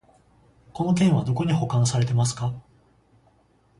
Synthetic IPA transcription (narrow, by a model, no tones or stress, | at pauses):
ko̞no̞kẽ̞ɰ̃βad̪o̞ko̞ɲ̟iho̞kãɰ̃saɾe̞t̪e̞masɨ̥ka